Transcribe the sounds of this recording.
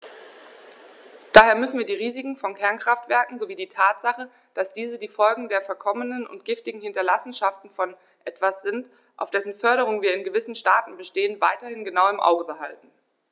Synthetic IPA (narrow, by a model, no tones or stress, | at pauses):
d̥aːheːɐmʏsn̩viːɐdiːʁ̞iːzɪkŋ̩fɔnkʰɛɐnkʁ̥aftv̥ɛɐkŋ̩zoviːdiːtʰaːtz̥aχə | d̥asd̥iːzədiːfɔlɡŋ̩deːɐfɛɐkʰɔmənənʊ̰ntɡ̥ɪftɪɡŋ̩hɪntɐlasn̩ʃaftn̩fɔn | ʔɛtv̥asz̥ɪnt | ʔa̰ʊfd̥ɛsn̩fœɐɾəʁ̞ʊŋənviːɐɪnɡəvɪsn̩ʃtaːtn̩bəʃteːənva̰ɪtɐhɪnɡənaʊɪmʔa̰ʊɡəbəɦaltn̩